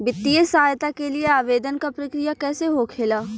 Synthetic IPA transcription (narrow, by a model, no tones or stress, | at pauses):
bɪt̪ːiesaːjt̪akelieaːʋeːd̪ənkapɾɐkɾijakɛːseɦokʰeːlaː